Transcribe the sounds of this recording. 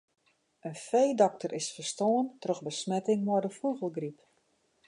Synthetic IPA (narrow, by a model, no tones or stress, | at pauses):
ənfejdɔk̚tərɪsfərstoːəntrøxbəsmɛtɪŋmɔdəfuɣəlˠɡrip